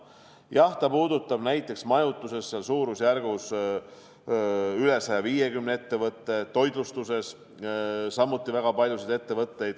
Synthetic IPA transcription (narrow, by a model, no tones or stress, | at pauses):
jɑht̪ɑpuːd̪ut̪ːˑɑb̥næjt̪ˑːe̞ksmɑjut̪ːˑuse̞sːeɑlsuːɾusjærɡ̥us | yle̞sɑjɑviːje̞ɡymnee̞t̪ːe̞vɤt̪ˑːe̞t̪ːo̞jd̪lust̪use̞s | sɑmːut̪ˑːivæɡ̥ɑpɑlʲjused̪e̞t̪ːevɤt̪ˑːe̞jd̪̥